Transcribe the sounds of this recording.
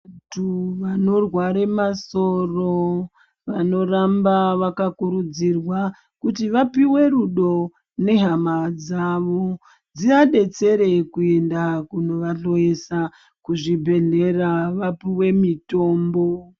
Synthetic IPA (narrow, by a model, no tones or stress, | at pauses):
tuʋano̞rwaɾe̞masoro̞ | ʋano̞rambaʋakakuɾud͡zirwa | kutiʋapiwe̞ɾuɗo̞ | ne̞ɦamad͡zaʋo | d͡ziaɗe̞t͡se̞ɾe̞kue̞ndakuno̞ʋaɬo̞esa | kuʐibʱe̞ɮe̞raʋapiwe̞mito̞ːmbo̞